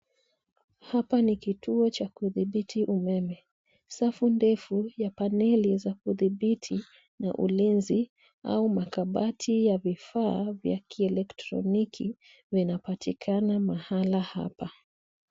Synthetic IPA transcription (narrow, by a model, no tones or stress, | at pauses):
hapanikituɔt͡ʃakuðiɓitʰiʔumɛmɛ | safundɛfujapanɛlizakuðiɓitʰi | na̰ʔṵlinzi | a̰umakaɓatʰijavifaːvja̰kʰiɛlɛktɾɔ̰nikʰi | vinapatikʰanamahalaha̰pa